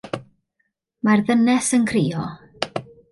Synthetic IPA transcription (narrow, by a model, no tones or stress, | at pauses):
marðənɛsənkʰriːɔ